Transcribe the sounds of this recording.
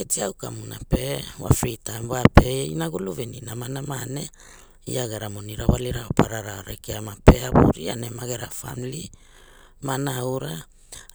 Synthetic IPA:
ketiawkamunape̞wa̰fɾitambapeinaɡuluveninamanamane̞ | ḭaɡeɾamoniɾawaliɾaopʰaɾaɾaoɾekeamape̞abṵɾianemaɡeɾafa̰mli | manawɾa

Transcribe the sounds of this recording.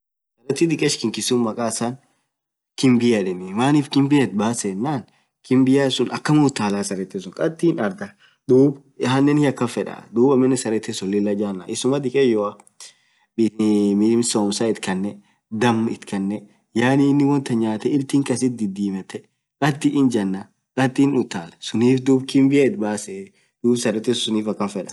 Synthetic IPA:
ssɐɾɛt̪ːɪd̪ɪkʼɛʃkɪŋkɪsʊnmɐkʼaːsan | kɪmbɪjɐᶑɛnɪmaːnɪfkɪmbɪjɛt̪̚baːsɛnːaːn | kɪmbɪjaːɪsʊnɐkːɐmuːt̪ːaːlaːsɐɾɛt̪ːesʊŋkʼɐt̪ːiːnɐɾd̪ɐ | d̪uːb | hɐnːɛnhɪɐkːɐfɛᶑɐ̰d̪uːbɐmːɛnːɛsɐɾɛt̪ːesɔlːɪlːɐd͡ʒaːnːa̰ʔɪsʊmɐd̪ɪkʼejɔɐ | bɪmɪmsoːmsaɪt̪kɐnːɛ | d̪ɐmɪt̪kɐnːɛ | jaːniːnːɪwɔnt̪ɐɲaːt̪ɛɪlt̪iːŋkɐsɪt̪̚d̪ɪd̪iːmɛt̪ːɛ | kʼɐt̪ːiʔɪnd͡ʒɐnːa | kʼɐt̪ːiːnʊt̪ːaːlɐsʊniːfd̪uːbkɪmbɪjaɪt̪baːsɛ | d̪̥uːbsɐɾɛt̪ːɛsʊsʊniːfɐkːɐfɛᶑɐ̥

